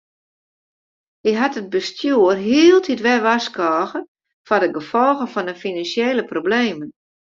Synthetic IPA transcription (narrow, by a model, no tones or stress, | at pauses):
hiɦatəd̚bəstʰjuərɦiəlˠtʰitʋɛʋaskɔːɣə | fɔrdəɡəfɔlˠɣəfɔndəfinansjeːləprobleːmən